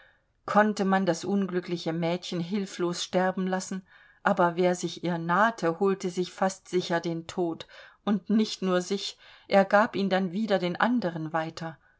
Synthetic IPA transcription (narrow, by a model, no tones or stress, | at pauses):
kʰɔntəmandasʔʊnɡlʏklɪçəmɛːtçən̩ɦɪlfloːsʃtɛɐbm̩lasn̩ | ʔaːbɐveːɐzɪçʔiːɐnaːtʰəhuːltəzɪçfastz̥ɪçɐdeːntʰoːtʔʊntnɪçtnuːɐzɪçʔeːɐɡaːpʔiːndanviːdɐdeːnʔa̰ndəʁ̞ənvaɪtʰɐ